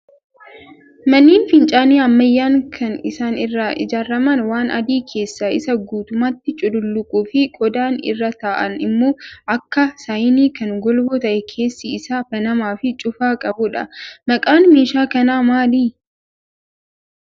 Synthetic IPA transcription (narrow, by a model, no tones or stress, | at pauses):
mɐnːiːnfɪnt͡ʃʼaːniːɐmːɐjːaːŋkʰɐnɪsaːnɪrːaːʔɪ̰d͡ʒaːɾːɐmɐnwaːnʔɐ̰d̪iːkʰe̞ːsːɐɪ̰sɐɡuːt̪ʊmaːt̪ːɪt͡ʃʼʊd̪ʊlːʊkʼuːfɪkʼɔd̪aːnɪ̰rːɐt̪aːʔɐ̰nɪmːo̞ːʔɐkːɐsɐjɪniːkɐnɡɔlboːt̪ɐʔɛkʰe̞ːsːɪːsaːfɐnɐmaːfɪt͡ʃʼʊfaːkʼɐbʊᶑɐ̰mɐkʼaːnmeːʃaːkɐnaːmaːliː